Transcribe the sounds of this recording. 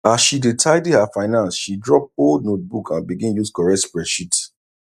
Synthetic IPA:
asʃidetʰaɪdihafaɪnãnsʃidɹɔp̚oldnot̚bukʰãnbiɡĩnjuskɔɹɛspɹɛʃit

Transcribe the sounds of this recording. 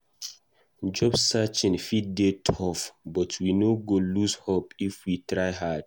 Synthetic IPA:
d͡ʒɔbssat͡ʃĩnfid̚detʰɔfbɔtʰwinoɡolushopifwitɹaɪɦad̥

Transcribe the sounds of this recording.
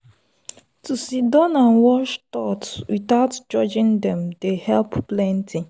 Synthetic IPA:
tusidɔnãnwɔʃtɔtswitaʊtd͡ʒɔd͡ʒĩndɛ̃mdehɛlpplɛ̃ntʰĩ

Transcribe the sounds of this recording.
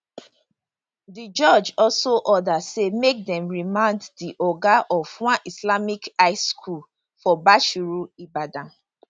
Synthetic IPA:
did͡ʒɔd͡ʒɔlsoʔɔdasemek̚dɛ̃mɹimãnddiʔɔɡaʔɔvwãnislamikaɪskʰul | fɔbaʃuɹuibadã

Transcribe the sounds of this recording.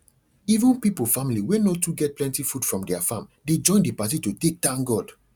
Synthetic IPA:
ivə̃npipofamiliwenotuɡɛt̚plɛ̃ntifud̥fɹɔ̃mdɛafãmded͡ʒɔ̃ɪ̃ndipatitotek̚tãŋɡɔd̥

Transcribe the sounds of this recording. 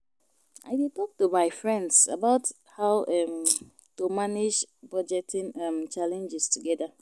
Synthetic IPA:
a̰ɪditɔk̚tumaɪfɹɛ̃ndsa̰baʊt | haʊʔɛm | tumanid͡ʒbad͡ʒɛtʰĩnamt͡ʃalɛ̃nd͡ʒɪstuɡɛda

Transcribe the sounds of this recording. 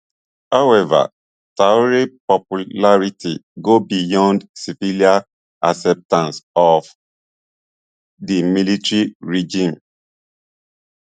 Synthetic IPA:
hawɛva̰ | taɔɾipɔpulaɹitiɡobijɔ̃ndsifilia | asɛp̚tãnsɔf | dimilitɹiɹid͡ʒĩm

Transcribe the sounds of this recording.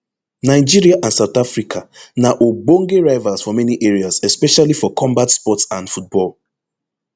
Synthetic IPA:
naɪd͡ʒiɹiaʔãnsaʊθafɹikʰanaʔobõŋɡeɹaɪvasfɔmɛniʔɛɹiazɛspɛʃalifɔkʰɔ̃mbatspɔtsãndfut̚bɔl

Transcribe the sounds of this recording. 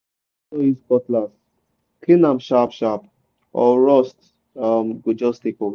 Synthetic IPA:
sɔiskɔtlas | kʰlĩnãmʃapʃap̚ | ɔɹɔst | amɡud͡ʒɔstikɔ

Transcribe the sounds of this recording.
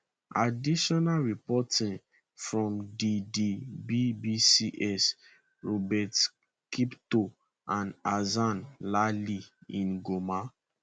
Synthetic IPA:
adiʃɔnaɹipɔtĩn | fɹɔ̃mdidibibisiʔɛs | ɹɔbɛt | kipto | ãnazãnlaliĩnɡoma

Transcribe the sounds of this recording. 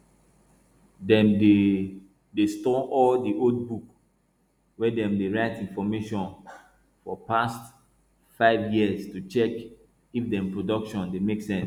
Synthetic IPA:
dɛ̃mde | destɔʔɔldiʔold̚buk | wɛdɛ̃mdeɹaɪtĩnfɔmeʃɔ̃n | fɔpast | faɪvjiəstut͡ʃɛk | ifdɛ̃mpɹodɔkʃɔ̃ndemeksɛ̃ns

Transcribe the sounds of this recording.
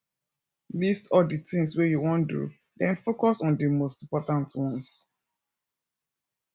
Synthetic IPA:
disɔditĩŋswejuwɔ̃ndṵ | dɛ̃nfokɔsɔ̃ndəmostĩmpɔtãntwɔ̃ns

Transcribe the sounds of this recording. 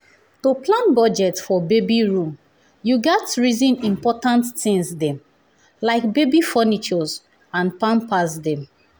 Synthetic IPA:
toplãnbɔd͡ʒɛtfɔbebiɹũm | juɡɛtɹizĩnĩmpɔtãnttĩŋzdɛ̃m | laɪkbebifɔnit͡ʃɔz | ãnpãmpazdɛ̃m

